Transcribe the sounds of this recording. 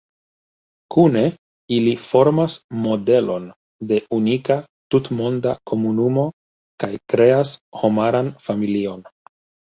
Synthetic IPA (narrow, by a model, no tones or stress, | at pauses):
kune̞ | ilifo̞ɾmasmo̞de̞lo̞n | de̞unika | tutmo̞ndakʰo̞munumo̞ | kajkɾe̞asho̞maɾanfamilio̞n